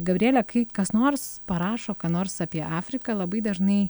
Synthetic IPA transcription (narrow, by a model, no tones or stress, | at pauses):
ɡɐbʲɾʲeːlʲɛkɐɪkɐsnoːrspɐɾɑːʃoːkɐːnoːrsɑːpʲiɛʔɑːfʲɾʲɪkɐlˠɐbɐɪd̪ɐʒnɐɪ